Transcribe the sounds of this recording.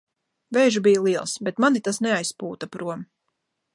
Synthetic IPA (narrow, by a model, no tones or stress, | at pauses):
vɛjʒubijalˠiɛlˠsbet̪manit̪asnɛajspuːt̪apɾuɔm